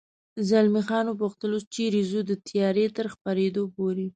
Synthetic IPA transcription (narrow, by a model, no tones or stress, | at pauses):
zalmixɑnopuxt̪əlot͡ʃeɾezud̪ət̪ʰjɑɾet̪əɾxpaɾed̪opoɾi